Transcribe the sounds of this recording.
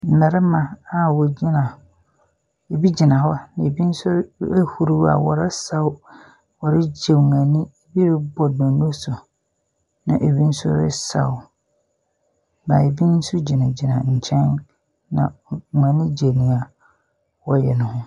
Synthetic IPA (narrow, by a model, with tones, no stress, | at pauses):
n̩˨na˨ɾɪ˦mã˨a˨wɔ˨d͡ʑi˦nã˨ | e˨bi˦d͡ʑi˨nã˨hɔ˦nã˨e˨bi˦n̩˦sʊ˦e˦hu˨ɾu˦a̰˨wɔ̰˨ɾɪ˦sa˦w | wɔ˨ɾɪ˦d͡ʑe˨mã˨nĩ˦e˨bi˦ɾɪ˦bɔ˨dɔ̃˨nũ˦sʊ˨ | nã̰˨ʔe˨bi˦n̩˦sʊ̰˦ɾɪ̰˦sa̰˨w | ma˨e˨bi˦n̩˦sʊ˦d͡ʑi˨nã˨d͡ʑi˨nã̰˨ɲ̩˨t͡ɕʰɛ̃˦n | nã̰˨mã˨nĩ˦d͡ʑe˨nĩ˨a˨ | wɔ˦jɛ˨nʊ̃˨hʊ̃˦